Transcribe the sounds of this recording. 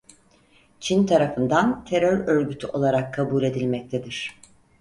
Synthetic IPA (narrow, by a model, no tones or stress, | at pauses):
t͡ʃʰint̪ʰaɾafɯnd̪ant̪ʰe̞ɾøɾø̞ɾɟyt̪ʰyʔo̞lˠaɾakʰːabuːlʲe̞d̪ilʲmɛc̚t̪ʰed̪iɾ̥